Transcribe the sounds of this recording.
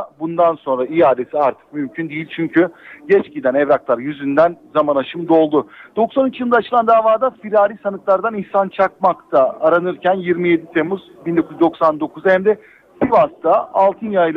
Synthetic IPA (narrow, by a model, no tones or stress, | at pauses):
bund̪anso̞nɾaijaːd̪e̞siaɾt̪ʰɯ̥k̚mymcʰynd̪ijilʲt͡ʃʰyɲcʰyɟɛt͡ʃɟid̪ænɛvɾaklˠaɾjyzynd̪ænzamanaʃɯmd̪o̞lˠd̪ʊd̪̥o̞ksanyt͡ʃujɯd̪aːt͡ʃʰɯlˠand̪aːvaːd̪afiɾaːɾisanɯklˠaɾd̪aninsant͡ʃʰak̚makt̪ʰaːɾanɯɾcʰænjiɾmije̞d̪it̪ʰe̞muzbind̪o̞kʰuyzd̪o̞ksand̪o̞kʰuzahæmd̪ɛ | sivast̪ʰaalˠt̪ʰɯnjajlˠ